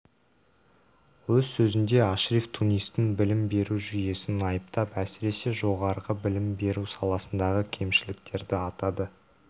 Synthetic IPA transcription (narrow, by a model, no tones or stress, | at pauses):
wɵzsɵzɪnd̪e̞ɑʃɾift̪ʰunijst̪ːɪŋbɪlɪmbe̞ɾuʒʏje̞sɪnɑjəp̚t̪ɑpæsɪɾe̞se̞ʒo̞ʁɑɾəʁəbɪlɪmbe̞ɾusɑlˠɑsənd̪ɑʁəkʲʰe̞mʃɪlɪk̚t̪ʰe̞ɾd̪ɪɑt̪ɑd̪ə